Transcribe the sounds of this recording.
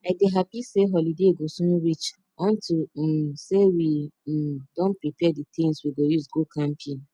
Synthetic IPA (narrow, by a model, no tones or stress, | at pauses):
aɪdeɦapiseɦɔlideɡosũnɾit͡ʃ | ɔ̃ntilm̩sewi | dɔ̃npɹipɛditʰĩnswiɡojuzɡokʰãmpʰin